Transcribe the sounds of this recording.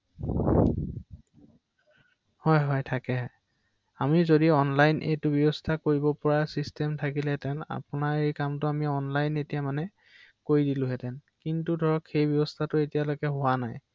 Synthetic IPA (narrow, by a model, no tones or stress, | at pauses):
hɔjɦɔjtʰakɛɦɔ | amizodiɔnlajnʔḛjtʊbjɔbɔstʰakoɹibɔpɔɹasistɛmtʰakilɛtɛna̰pʊnaɹejkamtʊamiɔnlajnetijamanɛ | koɹidilʊ̃ɦɛtɛnkintudʱɔɹɔkxejbjɔbɔstʰatʊetijalojkɛɦʊwanaj